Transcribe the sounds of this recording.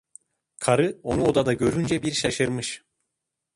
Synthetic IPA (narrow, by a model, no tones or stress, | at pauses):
kʰaɾɯo̞nuod̪ad̪aɟø̞ɾynd͡ʒɛbiɾʃaʃɯɾmɯʃ